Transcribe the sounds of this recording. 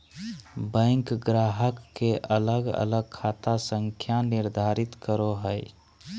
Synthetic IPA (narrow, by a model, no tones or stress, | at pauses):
bə̃ŋkɡɾaːɦəkːeʔələɡə̰ləɡ̚kʰaːt̪asə̃ŋkʰjanɪɾd̪ʱaːɾɪt̪kəɾoɦəɪ